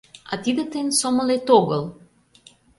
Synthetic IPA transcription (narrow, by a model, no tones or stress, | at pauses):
a̰t̪id̪ət̪ensɔməlet̪oɡəlˠ